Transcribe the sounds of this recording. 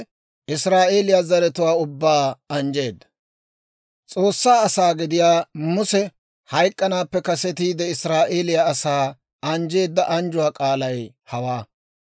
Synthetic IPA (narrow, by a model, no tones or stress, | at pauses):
ʔɪsɾaːʔe̞ːlɪjazɐɾɛt̪ʊwaːʊbːaːɐnd͡ʒe̞ːd̪ːɐ̥ | t͡sʼo̞ːsːaːɐsaːɡɪd̪ɪjaːmʊsɛ | hɐjkʼːɐnaːpːɛkɐsɛt̪iːd̪ɛɪsɾaːʔe̞ːlɪjaːsaː | ɐnd͡ʒe̞ːd̪ːɐʔɐnd͡ʒʊwaːkʼaːlɐj | hɐwaː